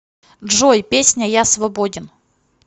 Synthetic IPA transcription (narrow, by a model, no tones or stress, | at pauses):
ʐojpʲesʲnʲəjasvɐbodʲɪn